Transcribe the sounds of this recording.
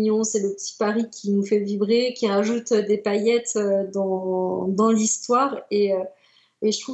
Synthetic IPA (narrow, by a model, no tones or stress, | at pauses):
jɔ̃sɛləpət̪ʰi̥paʁikʲʰinufɛvibʁekʲiʁaʒut̪ød̪epajɛt̪ød̪ɑ̃d̪ɑ̃list̪waːʁeø | eʒət̪χu